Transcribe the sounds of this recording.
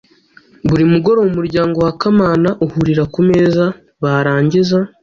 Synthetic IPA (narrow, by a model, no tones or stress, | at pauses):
βuɾimuɡo̞ɾo̞wumuɾɟaːŋɡo̞wakamaːnaʔuhuɾiɾakumeza | βaɾaːɲɟiza